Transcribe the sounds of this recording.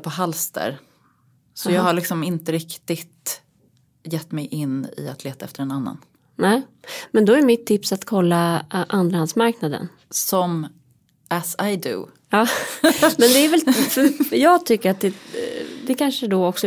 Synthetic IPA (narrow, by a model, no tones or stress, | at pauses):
pʰɔɦalsd̪ə̰ɾ | sɔjɑːɡhaɭɪksɔmɪnt̪əɾɪkt̪ɪt̪ | jɛt̪ːmɛjʔɪnːɪ̰a̰t̪ʰleːt̪aɛft̪əɾɛnanːa̰n | nɛːmɛnd̪ɔæɾmɪt̪ʰːɪpsat̪kʰɔlːaʔand̪ɾahansmaɾknad̪ə̰n | sɔm | ʔæsajd̪ʉ̰ | ɑːmɛnd̪ɛæɾvɛlfœjɑːɡt̪ʰʏkːəɾat̪̚d̪ɛd̪ɛkʰanʂəd̪ɔɔksɔ